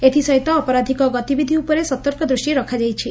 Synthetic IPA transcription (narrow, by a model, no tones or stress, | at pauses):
et̪ʰisɔjt̪ɔːpɔɾad̪ʱikɔɡɔt̪ibid̪ʱiupɔɾesɔt̪ɔɾkɔd̪ɾusʈiɾɔkʰad͡ʒajt͡ʃʰi